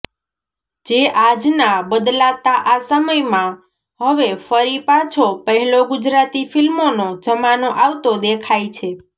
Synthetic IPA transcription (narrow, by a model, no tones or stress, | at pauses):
d͡ʒeʔad͡ʒnabəd̪lat̪aʔasəməjmã | ɦəʋefəɾipat͡ʃʰopəɦɛloɡʊd͡ʒɾat̪ifilmonod͡ʒəmanoʔawt̪od̪ekʰajt͡ʃʰe